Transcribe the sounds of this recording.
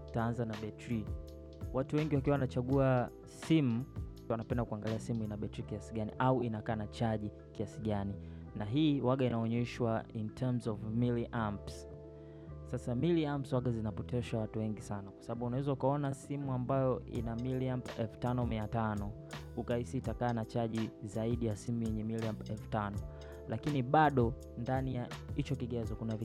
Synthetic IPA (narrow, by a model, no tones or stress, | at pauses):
taanzanaɓɛtɾi | watuwɛŋɡiwak̬iwawanat͡ʃaɠua | simu | wanapɛndakuaŋɡaliasimuinaɓɛtɾikiasiɠaniʔauinakaːnat͡ʃaʄi | kiasiɠani | naɦiːwaɠainaɔɲɛʃwaintʰɛmzɔvmiliʔamps | sasamiliampswaɠazinapɔtʰɛʃawatuwɛŋɡisanakwḁsaɓaɓuːnawɛzaukaɔnasimuambajɔʔḭnamiliampɛlftanɔmiatanɔ | ukaisiːtakaːnat͡ʃaʄizaiɗijasimujɛɲɛmiliampɛlftanɔ | lʔakiniɓaɗɔ | ndanijahit͡ʃɔkiɠɛzɔkunavi